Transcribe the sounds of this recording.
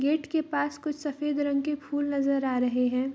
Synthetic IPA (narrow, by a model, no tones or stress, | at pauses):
ɡeːʈkepaːskʊt͡ʃʰsɐfeːd̪ɾɐ̃ŋɡkepʰuːlnɐzəɾaːɾɐɦeɦɛ̃ː